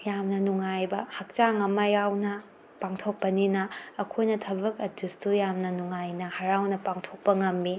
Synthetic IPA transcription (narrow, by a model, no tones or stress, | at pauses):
jamnɐnuŋajbɐhɐk̚t͡ʃaŋɐmːɐjawnɐ | paŋtʰok̚pɐninɐːkʰojnɐtʰɐbɐk̚ɐdustujamnɐnuŋajnɐhɐɾawnɐpaŋtʰok̚pɐŋɐmːi